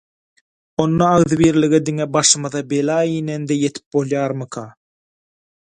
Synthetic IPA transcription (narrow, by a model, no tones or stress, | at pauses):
onːɑɑɣðɨbiːɾlɪɡɛd̪ɪŋɛbɑʃɯmɯðɑbelɑːjinend̪ɛjet̪ʰɪ̥p̚bolˠjɑːɾmɯkʰɑ